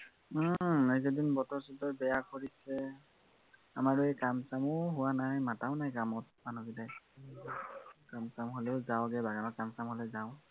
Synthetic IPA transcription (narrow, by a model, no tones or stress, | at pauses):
ezedinbɔtɔɹsɔdɔɹbɛjakʰoɹisɛ | amaɹuɛkamsamʊɦʊwanajmataʊnajkamɔt̚manɔɡidaj | kamsamɦoleʊzawɡɛbaɡanɔkamsamɦolɛzaʊ